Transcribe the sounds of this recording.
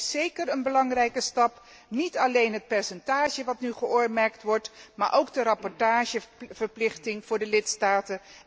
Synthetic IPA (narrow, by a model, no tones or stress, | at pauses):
sejkərənbəlɑŋrɛjkəstɑp | nitɑlejnɦət̚pɛɹsɛntaːʒəʋɑtnyχəʔʊːɹmɛɹk̚tʋɔɹtma̰ːɹʔowɡdərɑpɔɹtaːʒəv̥əɹplɪχtɪŋv̥ʊːɹdəlɪtstaːtə